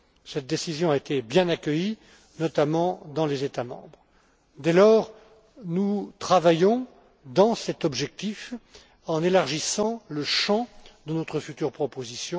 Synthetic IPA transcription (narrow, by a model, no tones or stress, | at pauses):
sɛt̪̚d̪esizjɔ̃aet̪ebjɛ̃nakʲəji | nɔt̪amɑ̃d̪ɑ̃lezet̪amɑ̰̃bʁ | d̪ɛlɔːʁ | nut̪χavajɔ̃ | d̪ɑ̃sɛt̪ɔbʒɛk̚t̪if | ɑ̃nelaʁʒisɑ̃ləʃɑ̃d̪ənɔt̪χəfyt̪yʁpχɔpozisjɔ̃